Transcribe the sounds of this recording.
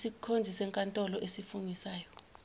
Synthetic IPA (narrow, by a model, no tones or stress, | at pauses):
sikʰond͡zʱisɛŋkʼantʼɔlɔʔesifuŋisaːjɔ